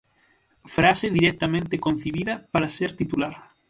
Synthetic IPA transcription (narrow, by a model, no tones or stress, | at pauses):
fɾaseðiɾɛk̚t̪amẽnt̪ekon̟θeβiðɐpaɾaseɾt̪it̪ulaɾ